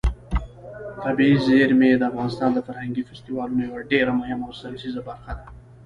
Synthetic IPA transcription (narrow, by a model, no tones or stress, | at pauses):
t̪abiizeɾmed̪əafɣɑnɪst̪ɑnd̪əfaɾhaŋɡifɪst̪iwɑlunojawaɖeɾamʊhɪmawsalsizabaɾxad̪a